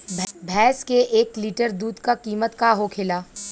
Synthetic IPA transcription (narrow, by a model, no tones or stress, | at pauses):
bʱbʱɛːskeʔeːkliːʈəɾd̪uːd̪kakiːmət̪kaɦokʰɪlaː